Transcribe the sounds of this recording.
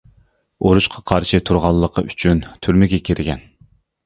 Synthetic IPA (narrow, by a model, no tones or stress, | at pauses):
oɾuʃqʰɑqʰɑɾʃɨt̪ʰuɾʁɑlˠːəqʰəʔyt͡ʃʰynt̪ʰyɾmɪɡʲɛkʲʰeɾɪɡʲɛ̰n